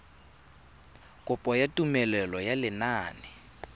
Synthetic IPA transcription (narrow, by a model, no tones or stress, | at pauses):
kʼʊpʼɔjatʼumɛlɛlɔjalɪnaːnɪ